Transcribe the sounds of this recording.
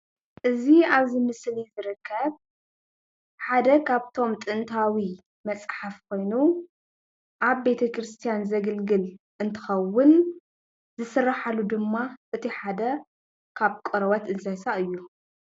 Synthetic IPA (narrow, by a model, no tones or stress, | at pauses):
ʔɨziaβzimɨslizɨɾɨkʰːɐβ | ħad̪ɐkʰaβt̪ʰo̞mt̪ʼɨnt̪ʰawi | mɐt͡sʼħafkʰo̞jnu | ʔaβbe̞t̪ʰɐkɾɨst̪ʰijanzɐɡɨlɡɨl | ʔɨnt̪ʰɨ̥xɐwːʊn | zɨsɨrːaħalud̪ɨmːaʔɨt̪ʰiħad̪ɐ | kʰaβkʼɨɾɐwɐt̪ɨnzɐsaʔɨjːu